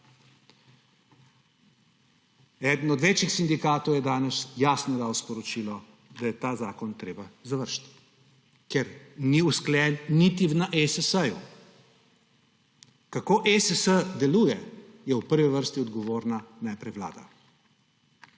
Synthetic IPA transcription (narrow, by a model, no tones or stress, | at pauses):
ɛːd̪n̩ɔd̪ʋeːt͡ʃixsind̪ikaːt̪ɔwjɛd̪aːnɛsjaːsnɔd̪aːwspɔɾɔt͡ʃilɔ | d̪ajɛt̪aːzaːkɔnt̪ɾeːbazaʋəɾʃt̪ | kɛɾniusklɛːnːit̪iʋnaʔesəsəjṵ | kakoːʔesəsəd̪ɛluːjɛjɛwpəɾʋiʋəɾst̪iɔd̪ɡɔʋoːɾnanɛjpɾɛʋla̰ːd̪a̰